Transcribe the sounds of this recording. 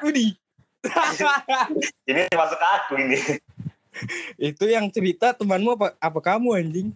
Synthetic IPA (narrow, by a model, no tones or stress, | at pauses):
udi | a | iniimasukakuini | it̪ujaŋt͡ʃəɾit̪at̪əmanmuapaːpakamuaɲd͡ʒɪŋ